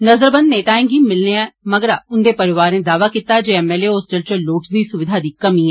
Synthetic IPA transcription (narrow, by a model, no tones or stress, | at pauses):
nəzəɾbənneːt̪aːɪ̃ːŋɡiːmɪlneɛ̃ːməɡəɾaːʊnd̪eːpəɾɪʋaːɾnẽːd̪aːʋaːkiːt̪aːd͡ʒeːɛːmɛːleːoːsʈəlt͡ʃəloːʈsd̪iːsʊʋɪd̪ʱaːd̪iːkəmĩːɛː